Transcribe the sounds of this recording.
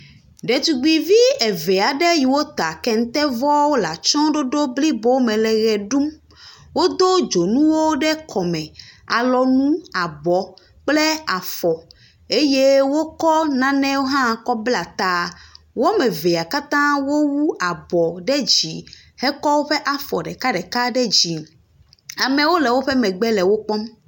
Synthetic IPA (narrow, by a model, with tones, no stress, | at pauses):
ɖɛ˨t̪u˨ɡ͡bi˨vi˦ɛ˨vɛ˨a˨ɖɛ˦ji˨wo˦t̪a˨kɛ˦ŋ̩˦t̪ɛ˦vɔ˦wo˦la˨t͡ʃɔ̃˦ɖo˦ɖo˦bli˦bo˦wmɛ̃˨lɛ˨ɣɛ˨ɖu˦m | wo˦d̪o˦d͡ʒo˨nũ˦wo˦ɖɛ˦kʰɔ˨mɛ̃˨a̰˨lɔ˨nũ˦a˨bɔ˨ | k͡plɛ˦a˨fɔ˨ | e˦je˦wo˦kɔ˦nã˨nɛ̃˦wo˦ɦã˦˨kɔ˦bla˨t̪a˦ | wo˦mɛ̃˨ve˨a˨ka˦t̪ã˦wo˦wu˦ʔa˨bɔ˨ɖɛ˦d͡ʑi˨ | hɛ˦kɔ˦wo˦ɸɛ˦ʔa˨fɔ˨ɖɛ˨ka˦ɖɛ˨ka˦ɖɛ˦d͡ʑi˨ | a˨mɛ̃˨wo˦lɛ˨wo˦ɸɛ˦mɛ̃˨ɡ͡bɛ˦lɛ˨wo˦k͡pɔ˦m